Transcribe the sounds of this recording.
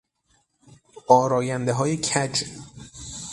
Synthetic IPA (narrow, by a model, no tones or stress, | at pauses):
ɒːɾɒːjænd̪eɦɒːjecʰæd͡ʒ